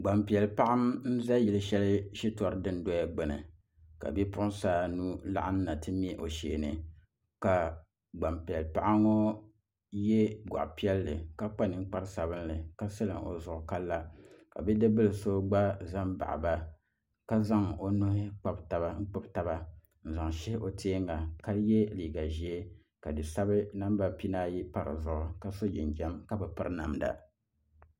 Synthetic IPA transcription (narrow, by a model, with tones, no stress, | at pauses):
ɡ͡ba˨mpi˨ɛ˨lpa˦ʔa˦mn̩˦za˦ji˨lɨ˦ʃɛ˦lɨ˦ʃi˦tɔ˨ɾɨ˦dɨ˦n˦dɔ˦a˦ɡ͡bɨ˨nɨ̰˨ | ka̰˨bi˦pʊ˦ʔsaː˦nu˦la̰˦ʔa˦n̩˦na˨tɨ˦m˦ɛ˦ʔo˨ʃeː˨nɨ˨ | ka˨ | ɡ͡ba˨mpi˨ɛ˨lpa˦ʔa˦ŋɔ˦ | jɛ˦ɡa̰˨ʔpi˦ɛ˦lːɨ̰˨ka˦k͡pa˦nɨ˨˦ŋ̩˦k͡pa˦ɾɨ˦sa˨bɨ˦n˦lɨ˨ka˦sɨ˦lɨ̰˨ŋo̰˨zʊ˨ʔʊ˨ka˦lːa˦ka̰˨bɛ˦dɨ˦bɨ˦lɨ˨so˦ɡ͡ba˦za˦mba̰˨ʔba˦ | ka˦za˦ŋo˦nʊ˦hɪ˦k͡pa˦bta˨ba˦ŋ̩˦k͡pɨ˦bta˦ba˦ | n̩˨za˨ŋʃɛ˦hʔo˨tʰeː˦ŋːa˨ka˦jɛ˦liː˨ɡa˨ʒi˨˦e˦ | ka˨dɨ˨sa˦bɨ˦na˦m˦ba˦pi˦naː˦ji˦pa˦ɾɨ̰˨zʊ˨ʔʊ˦ka˦so˦d͡ʒɛ̰˨nd͡ʒɛ˦mka˦bɨ˨pɨ˦ɾɨ˦na̰˨mda̰˨